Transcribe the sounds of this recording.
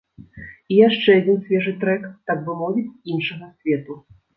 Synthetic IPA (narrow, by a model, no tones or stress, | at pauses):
ijaʂt͡ʂɛad͡zʲinsʲvʲɛʐɨt̪ɾɛkt̪akvɨmɔvʲit͡sʲinʂɐɣɐsʲvʲɛt̪u